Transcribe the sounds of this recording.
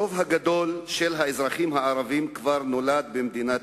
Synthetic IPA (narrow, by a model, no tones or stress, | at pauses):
ovɦaɡad̪o̞lʃelɦaezʁaχimɦaaʁavimkvaʁno̞lad̪̚bemd̪ina